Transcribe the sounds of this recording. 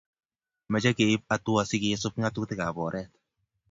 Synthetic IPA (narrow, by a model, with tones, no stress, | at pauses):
mɛ˨t͡ʃɛ˦ke˨i˦p̚a˨tu˦a˨si˦ke˨˦sʊ˦p̚ŋa˦tu˦ktɪ˦ka˨bɔː˨ɾʔɛ˦t̚